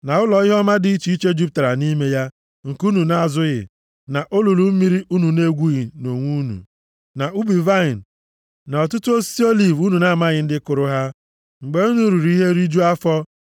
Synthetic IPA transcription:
na˨ʊ˦lɔ˨ɣɪ˦ɦɔ˦ma˦dɪ˦i˦t͡ʃi˨˦i˦t͡ʃe˦d͡ʒu˦p̚ta˨ɾa˨ni˦me˦ja˦ | ŋ̩˨ku˦nu˨na˨a˨zʊ˦ɣɪ̰˨ | na˨ʔo˦lu˨lu˨m̩˦mi˦ɾi˦u˦nu˨ne˦ɡʷu˦ɣi˨no˨ŋʷu˦nṵ˨ | na˨u˦bi˨va˦i˨n̩˨ | na˨ɔ˨tʊ˦tʊ˦o˦si˦o˦li˨vu˦nu˨na˦a˨ma˦ɣɪ˨n̩˦dɪ˦kʊ˨ɾʊ˦ɦa˦ | ŋ͡m̩˨ɡ͡be˦u˦nu˦ɾu˨ɾi˦ɦe˦ɾi˦d͡ʒu˦a˦fɔ˦

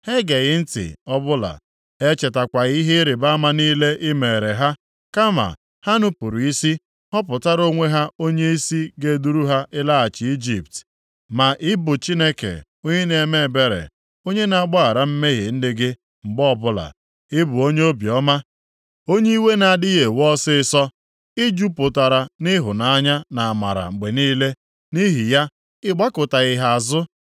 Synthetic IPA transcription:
he˦ɡe˨ɣɪ˦n̩˦tɪ̰˨ɔ˦bʊ˦la̰˨ | e˦t͡ʃe˨ta˨kʷa˨ɣi˦ɦe˦ɾɪ˨ba˦ma˦niː˦le˦ʔɪ˦me˨ɾe˨ɦa˦ | ka˦ma̰˨ | ha˦nʊ˦pu˨ɾu˨i˦si˦ | ɔ˦pʊ˨ta˦ɾo˦ŋʷe˦ɦa˦o˦ɲe˦i˦si˦ɡe˦du˦ɾu˦ɦa˦ʔɪ˦la˦a˨t͡ʃɪ˨i˦d͡ʒi˨pt | ma˨ʔɪ˦bʊ˨t͡ʃi˦ne˦kḛ˨ | o˦ɲe˦ne˨me˦˨be˦ɾḛ˨ | o˦ɲe˦na˨a˨ɡ͡ba˦a˨ɾa˦m̩˦me˦ɣɪ̰˨n̩˦dɪ˦ɡɪ˦ | ŋ͡m̩˨ɡ͡bɔ˦bʊ˦la̰˨ | ɪ˦bʊ˨o˦ɲe˦o˦bjɔ˦ma˦ | o˦ɲe˦i˦we˦na˨a˨dɪ˦ɣe˨wɔ˦sɪ˦ɪ˦sɔ˦ | ɪ˦d͡ʒu˦pʊ˨ta˨ɾa˨nɪ˦ɦʊ˨na˨a˦ɲa˦na˨a˨ma̰˨ɾa̰˨ŋ͡m̩˨ɡ͡be˨niː˦le˦ | ni˦ɦi˨ja˦ | ɪ˦ɡ͡ba˦kʊ˨ta˨ɣɪ˨ɦa˨a˨zʊ˦

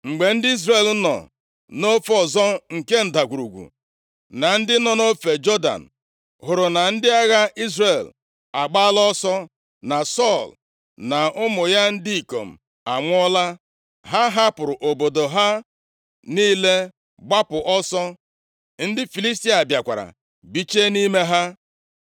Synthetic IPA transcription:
ŋ͡m̩˨ɡ͡be˨n̩˦dɪ˦i˦zre˨l̩˦nɔ̰˨ | no˦fɔ˨zɔ˦ŋ̩˨ke˦n̩˨da˨ɡʷu˨ɾu˨ɡʷṵ˨ | na˨n̩˦dɪ˦nɔ˨no˦fe˨d͡ʒɔ˦da̰˨n̩˨ | ɦʊ˨ɾʊ˨na˨n̩˦dɪ˦a˦ɣa˦i˦zre˨l | a˨ɡ͡ba˦lɔ˦sɔ˦ | na˨sɔ˦˨l | na˨ʊ˦mʊ˨ja˦n̩˦dɪ˦i˨ko̰˨m̩˨ | a˨ŋʷ˦ɔ˦la˦ | ɦa˦ɦa˦pʊ˨ɾʊ˨ʔo˨bo˨do˨ɦa˦ | niː˦le˦ | ɡ͡ba˦pʊ˨ʔɔ˦sɔ˦ | n̩˦dɪ˦fi˨li˦s̬ti˦a˨bja˨kʷa̰˨ɾa̰˨ | bi˦t͡ʃe˦ni˦me˦ɦa˦

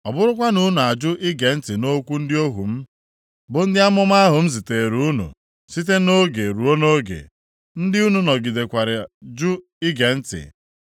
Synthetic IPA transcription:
ɔ˨bʊ˦ɾʊ˦kʷa˦nu˦n˨a˨d͡ʒʊ˦ʔɪ˦ɡe˨n̩˦tɪ˨no˦kʷu˦n̩˦dɪ˦o˦ɦṵ˨m̩˦ | bʊ˨n̩˦dɪ˦a˦mʊ˦m˦a˦ɦʊ˨m̩˦zi˨te˨ɾu˦u˦nṵ˨ | si˦t̬e˦no˦ɡe˨ɾu˨o˦no˦ɡḛ˨ | n̩˦dɪ˦u˦nu˨nɔ˨ɡi˨de˨kʷa˨ɾɪ˨d͡ʒʊ˦ | i˦ɡe˨n̩˦tɪ̰˨

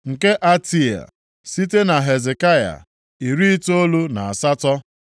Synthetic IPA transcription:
ŋ̩˨ke˦ʔa˦ti˦a̰˨ | si˦te˦na˨ɦe˨ze˨ka˦ja̰˨ | i˨ɾi˦i˦to˦lu˦na˨a˨sa˦tɔ˦

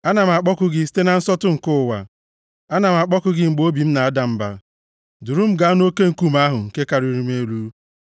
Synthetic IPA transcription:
a˦na˨m̩˨a˨k͡pɔ˦kʊ˦ɡɪ˦si̥˦te˦na˨n̩˦sɔ˦tʊ˦ŋ̩˨kʊ˦˨wa̰˨ | a˦na˨m̩˨a˨k͡pɔ˦kʊ˦ɡɪ˨ŋ͡m̩˨ɡ͡bo˦bi˨m̩˦na˨a˦da˨m̩˦ba̰˨ | du˨ɾu˦m̩˦ɡa˨˦no˦ke˦ŋ̩˦˨ku˦m˦a˦ɦʊ˨ŋ̩˨ke˦ka˨ɾi˦ɾi˦m˦e˦lu˦

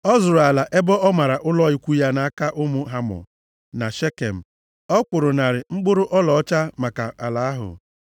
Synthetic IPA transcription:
ɔ˦zʊ˨ɾa˨la˨ʔe˦bɔ˦ɔ˦ma˨ɾa˨ʔʊ˦lɔ˦i˨kʷu˦ja˦na˨a˦ka˦ʔʊ˦mʊ˦ɦa˦mɔ̰˨ | na˨ʃe˦ke˨m̩˨ | ɔ˦kʊ˨ɾʊ˨na˨ɾɪ˨ŋ͡m̩˦ɡ͡bʊ˦ɾʊ˦ʔɔ˦lɔ˨ɔ˦t͡ʃa˦ma˨ka˨a˨la˨a˦ɦʊ̰˨

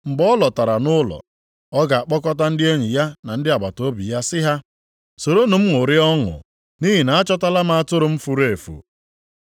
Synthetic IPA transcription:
mŋ͡m̩˨ɡ͡bɔ˦lɔ˨ta˨ɾa˨nʊ˦lɔ̰˨ | ɔ˦ɡa˨a˨k͡pɔ˦kɔ˦ta˦n̩˦dɪ˦e˦ɲi˨ja˦na˨n̩˦dɪ˦a˨ba˨to˦bḭ˨ja˦sɪ˦ɦa˦ | so˨ɾo˦nʊ˨m̩˦ŋʊ˨ɾɪ˦ɔ˦ŋʊ̰˨ | ni˦ɦi˨na˨a˦t͡ʃɔ˦ta˦la˦ma˦a˦˨tʊ˦ɾʊ˨m̩˦fu˦ɾe˨fṵ˨

